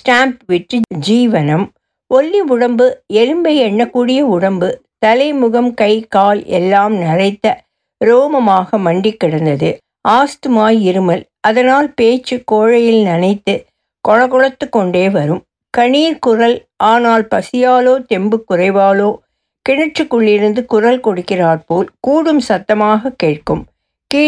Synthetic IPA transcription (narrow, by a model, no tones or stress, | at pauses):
sʈaːmpʋɪʈrɯd͡ʒiːʋɐnɐm | ɔlːiʊɽɐmbɯɛɻɯmbɐɪɛɳːɐkːuːɽɪjɐʊɽɐmbɯ | t̪ɐlɐɪmʊɣɐmkɐɪkaːlɛ̰lːaːmnɪrɐɪt̪ːɐ | ɾoːmɐmaːɣɐmɐɳɖɪkːɪɽɐnd̪ɐðɯ | ʔaːst̪ɯmaːjɪɾɯmɐl | ɐðɐnaːlpeːt͡ʃːɯkoːɻɐjɪlnɐnɐɪt̪ːɯ | kɔɻɐɣɔɻɐt̪ːɯkːɔɳɖeːʋɐɾɯm | kɐɳiːɾkʊrɐlʔaːnaːlpɐsɪjaːloːt̪ɛmbɯkːʊrɐɪʋaːloː | kɪɳɪʈrɯkːɯɭːɪɾɯnd̪ɯkʊrɐlkɔɽɯkːɪraːɾpoːlkuːɽɯmsɐt̪ːɐmaːɣɐkːeːʈ̚kɯm | kː